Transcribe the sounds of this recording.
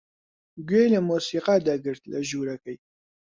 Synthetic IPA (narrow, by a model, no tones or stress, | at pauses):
ɡweləmusiːqad̪ɐɡɨɾt̪ləʒuːɾɐkəj